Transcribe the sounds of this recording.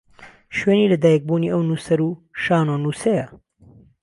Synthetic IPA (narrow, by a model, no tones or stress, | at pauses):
ʃweːniːlɐd̪aːjɛk̚buːniːʔɐwnuːsɐɾuːʃaːnoːnuːsejɐ